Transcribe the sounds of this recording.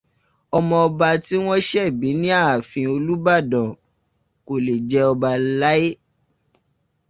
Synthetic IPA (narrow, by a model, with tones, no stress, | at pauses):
ɔ˧mɔ̃˧ɔ˧ba˧ti˦w̃ɔ̃˦ʃɛ˦˨bi˨˦nĩ˦a˦˨fĩ˧o˧lu˦ba˦˨dɔ̃˨ | ko˨le˨d͡ʒɛ˦ɔ˧ba˧la˦e˦